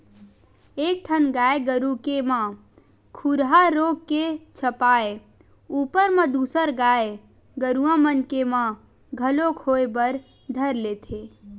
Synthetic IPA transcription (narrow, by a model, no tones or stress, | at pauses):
ek̚ʈʰənɡaːeɡəɾukemã | kʰuɾɦaɾoɡ̚ket͡ʃʰəpaːe | upəɾmãd̪usəɾɡae | ɡəɾuãmənkemã | ɡʱəlokʰhoebəɾ | d̪ʱəɾlet̪ʰe